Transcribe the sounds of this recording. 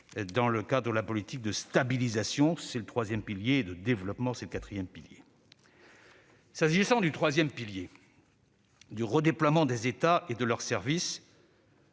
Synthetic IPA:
d̪ɑ̃ləkad̪ʁəd̪əlapɔlit̪ik̚d̪əst̪abilizasjɔ̃sɛlət̪χwazjɛmpiljeːd̪əd̪evlɔpmɑ̃sɛləkat̪χijɛmpiljḛ | saʒisɑ̃d̪yt̪χwazjɛmpilje | d̪yʁəd̪eplwamɑ̃d̪ezet̪aed̪əlœʁsɛʁvis

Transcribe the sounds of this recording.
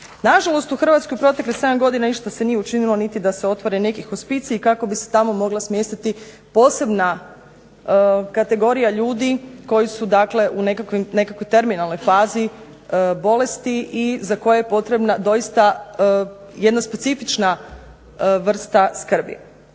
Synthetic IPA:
naʒalˠo̞st̪uxr̩ʋat̪skojupɾo̞t̪e̞klise̞d̪amɡo̞d̪inaniʃt̪ase̞nijeut͡ʃinilˠo̞nit̪id̪aseo̞t̪ʋaɾene̞kixospit̪sikako̞biset̪amo̞mo̞ɡlˠasmje̞st̪it̪i | po̞ːse̞bna | kat̪e̞ɡo̞ɾijaʎuːd̪iko̞jisud̪akle̞ʔune̞kakʋimne̞kakʋo̞jt̪e̞ɾminalno̞jfaːzi | bo̞le̞st̪iʔizako̞jajepo̞t̪ɾe̞bnad̪o̞jist̪a | je̞d̪naspe̞t̪sifit͡ʃna | ʋr̩st̪askr̩bḭ

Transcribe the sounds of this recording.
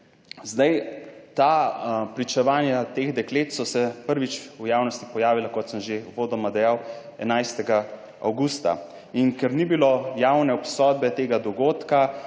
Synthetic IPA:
zd̪ajt̪apɾit͡ʃɛʋaːnjat̪exd̪ɛkleːt̪sɔsɛpəɾʋit͡ʃujaːwnɔst̪ipɔjaːʋilakɔt̪səmʒewʋoːd̪ɔmad̪ɛjaw | ɛ̰najst̪ɛɡa | a̰wɡuːst̪a̰ | iŋkɛɾnibilojawnɛɔpsɔd̪̚bɛt̪eːɡad̪ɔɡoːt̪ka

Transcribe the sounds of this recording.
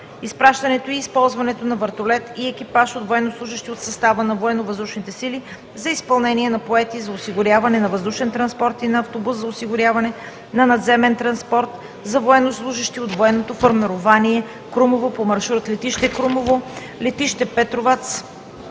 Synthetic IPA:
ispɾaʃt̪ɐnɛt̪oiːspɔlˠzvɐnɛt̪onɐvəɾt̪olɛt̪iɛkipaʃot̪voɛnːoslˠuʒəʃt̪iot̪sɐst̪avənɐvoɛnːovəzd̪uʃnit̪ɛsili | zɐispɐlˠnɛniɛnɐpoɛt̪izɐosiɡʊɾʲjavɐnɛnɐvɐzd̪uʃɛnt̪ɾɐnspɔɾt̪inɐːft̪obuszɐosiɡʊɾʲjavɐnɛ | nɐnɐd̪zɛmɛnt̪ɾɐnspɔɾt̪ | zɐvoɛnːoslˠuʒəʃt̪iot̪voɛnːot̪ofoɾmɛɾovaniɛ | kɾumovopomɐɾʃuɾət̪lɛt̪iʃt̪ɛkɾumovo | lɛt̪iʃt̪ɛpɛt̪ɾovat̪s

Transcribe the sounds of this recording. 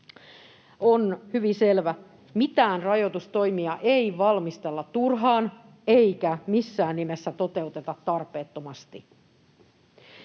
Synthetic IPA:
onhyʋiselʋæ | mit̪æːnrɑjot̪ust̪o̞jmiɑʔeijʋɑlmist̪e̞lːɑt̪ːurɦɑːn | eikæmisːæːnːimesːæt̪o̞t̪e̞ut̪e̞t̪ɑt̪ːɑrpe̞ːt̪ːomɑst̪i

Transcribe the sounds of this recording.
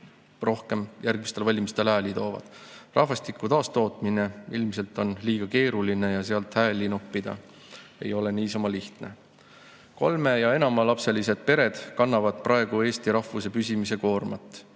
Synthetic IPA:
ro̞hke̞mjʔærɡmist̪elvɑlʲimist̪e̞læːlit̪o̞ːvɑ̰d̪̥rʔɑhvɑst̪ikːˑut̪ɑːst̪o̞ːt̪ˑmine̞ilmis̬e̞lt̪ːˑo̞nliːɡ̥ɑke̞ːɾuline̞jɑseɑlt̪hæːlːinupːid̪ɑ̰ | e̞̰jo̞le̞niːs̬ɑmɑliht̪ne̞ | ko̞̰lme̞jɑe̞nɑmɑlɑpse̞lise̞d̪̥̚pe̞ɾe̞d̪̥kɑnːɑvɑd̪̥prʔɑeɡ̥ue̞ːst̪iɾɑhːuse̞pysimise̞ko̞ːrmɑt̪ːˑ

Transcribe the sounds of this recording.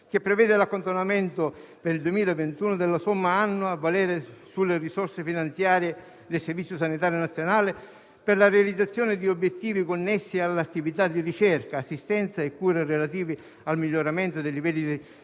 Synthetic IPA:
k̟epːɾevɛːd̪ɪlakːont̪onament̪ʊpeɾild̪uemiːlaevent̪uːnʊd̪elːasomːaanːʊavːalɛːɾesulːerisorsefinant̪sjaːɾje | d̪elservit̪sʲːjos̬anit̪aːɾjonat̪sjonaːlɪ | pɪrlarealid̪zːat̪sːjɔːnɪd̪iobːjet̪ːiːvikonːesːialːat̪ːivit̪ad̪irit͡ʃɛrkaːsːist̪ɛnt̪saekːuːɾerelat̪iːvi | almiʎːoɾament̪ʊd̪elːivɛlːid̪i

